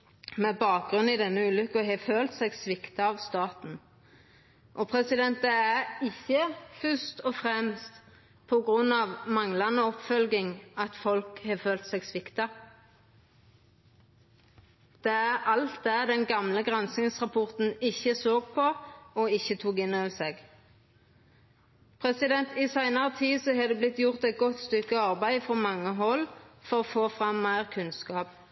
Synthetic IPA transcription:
mɛbɑːk̚ɡʁʉnɪd̪ɛnːəʉːlʏkːɔɦɛføːlt̪sɛɡsʋɪkt̪ɑɑʋst̪ɑːt̪n̩ | ʔɔpʰʁɛsɪd̪ɛnt̪əæɾɪçːəfʉst̪ɔfʁɛmst̪ | pʰɔɡʁʉnːɑːʋmɑŋlɑnəɔpfœlɡɪŋɑt̪fɔlkhɑføːlt̪sɛɡsʋɪkt̪ɑ | d̪̥ɛæʁɑlt̪̚d̪æd̪ɛnɡɑmləɡʁɑnsnɪŋsʁɑpʰɔʁt̪n̩ɪçəsoːɡpʰɔɔɪçːət̪ʰuːkɪnːøʋseːɡ | pʰʁɛsɪd̪ɛnt̪ɪsæɪnɑʁət̪ʰiːsɔhɑːd̪ɛːblɪt̪ːjʊʁt̪æɛɪt̪̚ɡɔt̪st̪ʏkːəɑʁbæɪfʁɔmɑŋːəɦɔlfɔʁoːfoːfʁɑmːæɪʁkʰʉnskɑːp

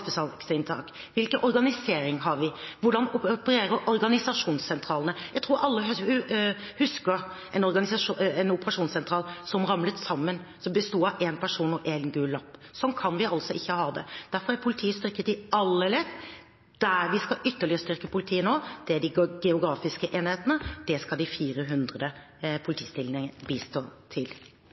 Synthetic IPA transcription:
spɪt̪ɑːlsɪnt̪ʰɑ̰ːk | ʋɪlkənʔɔɾɡɑnɪseːɾɪŋɦɑɾʋɪʋʊɖɑnʊpəɾeːɾəʔɔɾɡɑnɪsɑʂuːnssɛnt̪ʰɾɑːlənəjæɡt̪ʰɾuːɾɑlːəh | hʉskəɾ | ʔɛnɔɾɡɑnɪsɑɛnʊpəɾɑʂuːnsɛnt̪ʰɾɑːlsɔmɾɑmlət̪sɑmːənsɔmbəst̪uːɑeːnpʰæʂuːnɔʔeːɡnɡʉːlːɑpːsɔnkʰɑnʋɪɑlt̪sɔɪçːəhɑːd̪ɛ̰d̪̥æɾfɔɾæɾpʰʊlɪt̪ʰiːəst̪ʏɾkət̪ɪɑlːɛlɛt̪ | d̪̥æɾʋɪskɑʔʏt̪ːəɭɪəəst̪ʏɾkəpʰʊlɪt̪ʰiːənoːd̪̥ɛæɖɪɡ̥ɛʊɡɾɑːfɪskəʔeːnheːt̪ənəd̪̥ɛskɑd̪ɪfiːɾəɦʉnd̪ɾəd̪ə | pʰʊlɪt̪ʰiːst̪ɪlnɪŋəbist̪oːt̪ʰɪl

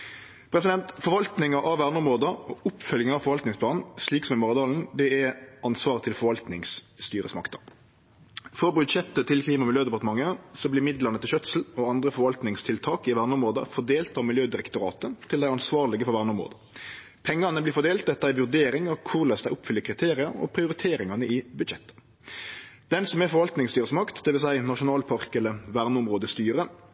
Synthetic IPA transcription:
pʰɾɛsɪd̪ɛnt̪fɔɾʋɑlt̪nɪŋɑʔɑʋʋæːʁnʊmoːd̪əɔʊpːfœljəŋɑfɔɾʋɑlt̪nɪŋspʰlɑːnn̩sliːksɔmɛmʊʁɑd̪ɑːln̩d̪ɛɛɑnsʋɑːʁət̪ʰɪlfɔɾʋɑlt̪nɪŋsːt̪yːɾə̰smɑ̰kt̪ɑ | fɔɾbʉd̪ʃɛt̪ːət̪ʰɪlkʰliːmɑmɪljøːd̪ɛpɑʁt̪əmɑŋːəsɔblɪmɪd̪lɑʁnət̪ʰɪʃœt̪sl̩ɔɑnd̪ɾəfɔʋɑlt̪nɪŋst̪ʰɪlt̪ʰɑːkɪʋæːʁnʊmoːd̪ə̰fɔd̪eːlt̪ɑʋmɪljøːd̪ɪɾɛkt̪ʊɾɑ̰ːt̪ət̪ʰɪld̪æɪɑnsʋɑːʁlɪɡəfɔɾʋæʁnəʊmʁo̰ːd̪ə | pʰɛŋːɑnəblɪfɔʁd̪eːlt̪̚d̪ɛt̪ːəæɪʋʉʁd̪eːɾɪŋɑkʰʊʁlɛsd̪æɪʔʊpːfʏlːəkʰɾɪt̪ʰeːɾɪɑɾɔ̰pʰɾɪʊɾɪt̪ʰeːɾɪŋɑnəɪbʉd̪ʃɛt̪ːə̥ | d̪̥ɛnsɔmɛfɔɾʋɑlt̪nɪŋst̪yːʁəsmɑkt̪d̪ɛʋɪlsæɪnɑʂʊnɑːlpʰɑɾkɛləʋæʁnəʊmʁoːd̪əst̪yːɾə

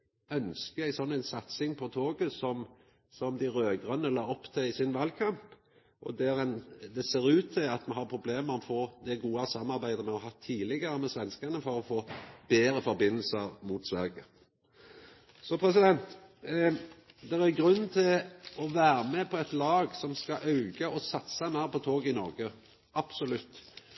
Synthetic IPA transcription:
œnskəæɪsɔnːæɪnsɑt̪sɪŋpʰɔt̪ʰoːɡəsɔm | sɔmd̪ɪɾøːɡʁɑnːəlɑːɔpːt̪ʰeɪsɪnʋɑːlkʰɑmp | ʔɔ̰d̪æɾɛnd̪ɛseːɾʉːt̪ʰːɪlɑt̪mɑnɦɑɾpʰɾʊbleːmʁɔfoːd̪ɛɡuːɑsɑmːɑɾbæɪd̪əmɛɔɦɑt̪ʰːiːlɪɡəɾəmɛsʋɛnskɑnəfɔɾɔfoːbeːɾəfɔɾbɪnːl̩səɾmuːt̪sʋæ̰ɾɡə | sɔpʰɾɛs̬ɪd̪ɛnt̪ | d̪ɛʁæʁɡɾʉn̩ːt̪ʰɪlɔʋæːɾəmɛpʰɔɛt̪lɑːɡsɔmskɑʔɑʉɡəʔɔsɑt̪sɑmæʁpʰɔt̪ʰoːɡɪnɔɾɡə | ʔɑb̥sɔlʉt̪ː

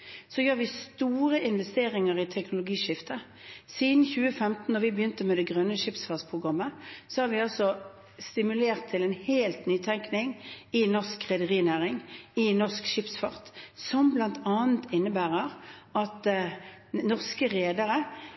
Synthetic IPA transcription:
sɔjøːʁʋɪst̪uːʁəʔɪnʋɛst̪eːʁɪŋəʁɪt̪ʰɛknʊlʊɡiːʂɪft̪ə | siːd̪n̩çʉːəfɛmt̪n̩ːɔʋɪbəjʏnt̪əmɛd̪ɛɡʁœnːəʃɪpsfɑʁt̪spʰʁʊɡʁɑmːəsɔhɑːʁʋɪɑsɔ | st̪ɪmʉleːʁt̪ʰːɪlɛnheːlt̪nyːt̪ʰɛŋknɪŋɪnɔʁskʁɛd̪əʁiːnæːʁɪŋɪnɔʁskʃɪpsfɑʁt̪sɔmblɑnt̪ɑːənt̪ɪnːəbæːʁəʁɑt̪ | nɔʁskəʁeːd̪əʁə

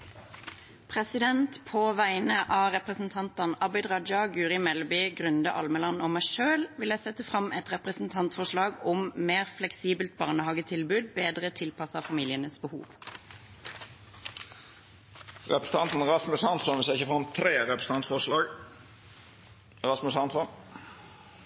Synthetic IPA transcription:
pʰʁɛsɪd̪ɛnt̪pʰoːʋæɪnəʔɑːʁɛpʁəsn̩t̪ʰɑnt̪ɑnɑbɪd̪ʁɑd̪ɑɡʉːʁɪmɛlbɪɡʁʉnd̪əʔɑ̰lməlɑnɔmæɪʃøːlʋɪlæɪsɛt̪əfʁɑmʔɛt̪ʁɛpʁəsn̩t̪ʰɑnt̪fɔʂlɑːɡɔmmeːʁflɛksiːbəlt̪̚bɑːʁnəhɑɡət̪ʰɪlbʉːd̪̚beːd̪ʁət̪ʰɪlpɑsəʁfɑmiːlɪənəsbəhṵːʋ | ʁɛpɾəs̩ət̪ɑnt̪n̩ɾɑsmʉshɑnsɔnʋɪseːʁɪçəfɑmt̪ʰɾeːɾɛpɾəs̩ɑnt̪fɔʁʂlɑːɡ | ɾɑsmʉshɑnsɔn

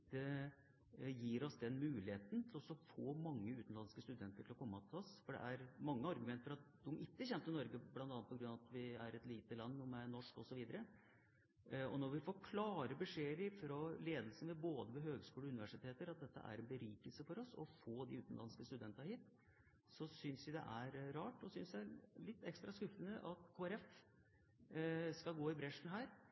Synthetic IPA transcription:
d̪ɛ | jiːɾɔsd̪ɛnmʉːlɪheːt̪n̩t̪ʰɪlɔsːɔfoːmɑŋːəʉːt̪n̩lɑnskəst̪ʉd̪ɛnt̪əʈʰɪlɔkʰɔmːət̪ʰɪlɔsfɔɖɛ̰ʔæɾmɑŋːəɑɾɡʉmɛnt̪əɾɑt̪̚d̪ɔmʔɪkːəçɛnt̪ɪnɔɾɡəblɑnt̪ɑnːpɔɡɾʉnɑɑt̪ʰʋɪæɾɛt̪liːt̪əlɑnːumɛænɔʂkɔsɔʋiːd̪əɾə | ɔ̰nɔɾʋɪfoːɾkʰlɑːɾəbəʂeːɾɪfɾɔleːd̪lsən̩ʋɛboːd̪əʋɛɦøːɡskʉːləʉnɪʋæʂɪt̪ʰeːt̪əɾɑt̪̚d̪ɛt̪ːə̰ʔæ̰ɾɛnbəɾyːkəlsəfɔɾɔsɔ̰foːd̪ɪʉːt̪ən̩lɑnskəst̪ʉd̪ɛnt̪ɑhiːt̪ | sɔsʏnsʋɪd̪ɛ̰ʔæɾɾɑːʈɔsʏnsjæælɪt̪ːɛkst̪ɾɑskʉfːənəʔɑt̪kʰoːæɾɛf | skɑɡoːɪbɾɛʂn̩ɦæːɾ

